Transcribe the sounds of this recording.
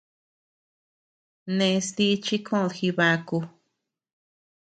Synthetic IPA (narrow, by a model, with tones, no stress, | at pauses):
nẽ˧st̪i˦t͡ʃi˦kʰõ˦˨ðxi˧βa˧ku˧